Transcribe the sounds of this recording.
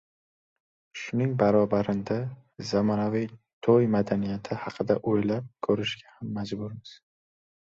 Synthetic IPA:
ʃʊnɪŋbaɾɒbaɾɪnd̪a | zamɒnavij | t̪ʰojmad̪anijat̪ʰɪhɑqʰɨd̪aʔojlap̚kʰɵɾɪʃɡʲahamːad͡ʒbʊɾmɪz̥

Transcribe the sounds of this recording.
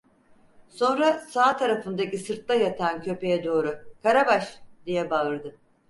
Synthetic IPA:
so̞nɾasaːt̪ʰaɾafɯnd̪acisɯɾt̪lajat̪ʰancʰø̞pe̞jɛd̪o̞ːɾʊkʰaɾabaʃd̪ijɛbaɯɾd̪ɯ

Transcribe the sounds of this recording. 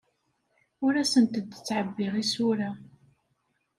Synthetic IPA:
ʊɾæsənt̪əd̪t͡sːʕəbːɪʁisʊɾa

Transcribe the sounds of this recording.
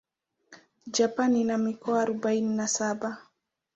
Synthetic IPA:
d͡ʒapaninamikɔaːɾɔbaininasaɓa

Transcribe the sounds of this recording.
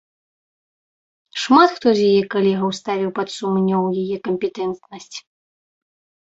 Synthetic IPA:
ʂmat̪xt̪ɔzʲjajɛkalʲɛɣɐwst̪avʲiwpɐt̪sumnʲːɐwjajɛkɐmʲpʲɛt̪ɛnt̪nɐsʲt͡sʲ

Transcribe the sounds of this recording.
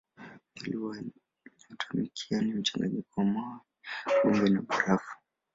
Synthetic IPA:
iliwa | atʰumikʰianim̩t͡ʃaŋɡaɲikɔwamawa | ɓɔŋɡɛnaɓuɾafu̥

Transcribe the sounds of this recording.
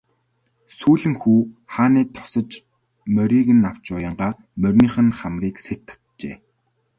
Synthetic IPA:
suːɮɘ̆ŋxuːχaːniːt̪ʰɔ̥sə̆t͡ɕ | mœɾʲiːɣɘ̆naw̥t͡ɕʊjə̆ɴɢaː | mœrʲniːχə̆nχamriːkset̪ʰːḁt̪t͡ɕḛː

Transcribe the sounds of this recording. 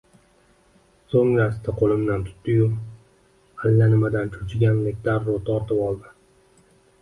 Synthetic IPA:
soŋlast̪ʰaqʰolˠɪmd̪ant̪ʰʊ̥t̪ːɪjʊm | alːanɪmad̪ant͡ʃʰʊt͡ʃʰɪɡʲanlekʲd̪aɾːot̪ʰɒɾt̪ʰɪpɒlˠd̪ɪ

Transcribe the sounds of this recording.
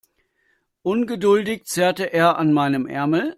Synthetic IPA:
ʔʊnɡədʊldɪçt͡seːɐtəʔeːɐʔanmaɪnəmʔɛ̰ɐml̩

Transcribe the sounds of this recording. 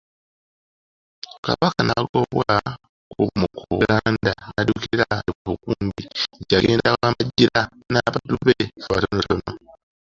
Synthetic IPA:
ka̰βakanaɡoβwa | uβumukʰuɡaːndanadukiɾaekuβukuːmbiɟaɡeːndakaːmaɟiɾa | naβaduβeatonotono

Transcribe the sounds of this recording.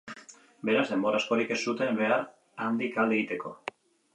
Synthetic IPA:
be̞ɾazðe̞mbo̞ɾasko̞ɾike̞sːut̪e̞mbe̞aɾ | and̪ikald̪eɣit̪e̞ko̞

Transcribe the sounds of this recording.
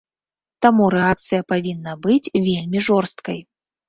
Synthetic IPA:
t̪amuɾɛak̚t̪sɨjɐpavʲinːɐbɨt͡sʲvʲelʲmʲiʐɔrst̪kɐj

